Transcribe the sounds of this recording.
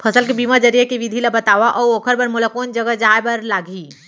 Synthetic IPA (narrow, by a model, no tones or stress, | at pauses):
pʰəsəlk̬ebimad͡ʒəɾijakeʋid̪ʱilabət̪aʋaʔɔːɾokʰəɾbəɾmulakond͡ʒəɡəd͡ʒaebəɾlaɡʱi